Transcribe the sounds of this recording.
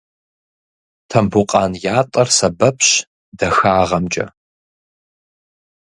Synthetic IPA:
tʰɐmbʊqʼɑːnjaːtʼɐrsɐbɐpʰɕ | dɐxaːʁɐmt͡ʃʼɐ̰

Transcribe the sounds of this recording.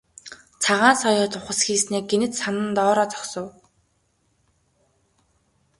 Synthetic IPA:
t͡sʰaʁaːnsɔjɔːt̪ʰʊχə̆sxiːsneːk̚ɡenɘ̆t̪sanə̆nt̪ɔːɾɔːt͡sɔ̥ksɞ̆w

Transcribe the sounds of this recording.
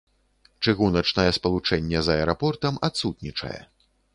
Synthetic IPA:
t͡ʂɨɣunɐt͡ʂnɐjɛspɐlˠut͡ʂɛnʲːɛzɐɛɾapɔrt̪ɐmat̪sut̪nʲit͡ʂɐ̰jɛ̰

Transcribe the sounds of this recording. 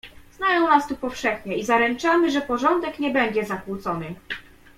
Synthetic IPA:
z̥najɔ̃w̃nast̪upɔfʂɛxɲɛizaɾɛnt͡ʂamɘʐɛpɔʐɔnd̪ɛkɲɛbɛɲd͡ʑɛzakwut̪sɔnɘ

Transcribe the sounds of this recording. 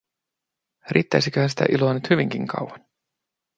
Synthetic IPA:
riːt̪ːæjsikøhænsi̥t̪æ̰ʔiloɑnyt̪hyʋiŋkiŋkʰɑ̰wwɑn

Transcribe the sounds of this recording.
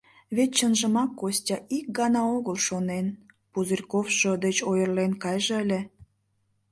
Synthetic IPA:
βet̪̚t͡ɕənʒəmɑkːosʲtʲɑʔik̚ɡɑnɑoɣəlʃonen | puzərʲkofʃod̪et͡ɕojərlenkɑjʒeəlʲe

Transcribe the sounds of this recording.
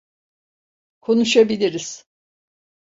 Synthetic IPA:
kʰo̞nuʃabilʲiɾiz̥

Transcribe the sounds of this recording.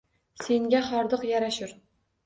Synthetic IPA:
seŋɡʲæχɒɾd̪ɤqjæɾaʃɪɾ

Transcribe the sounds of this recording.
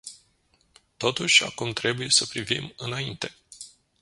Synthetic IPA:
t̪o̞t̪uʃʲa̰kumt̪ɾe̞buje̞səpɾivḭmɨnaint̪e̞̥

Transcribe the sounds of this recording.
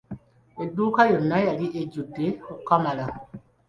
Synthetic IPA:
eduːkajonajaliʔed͡ʒuteokamala

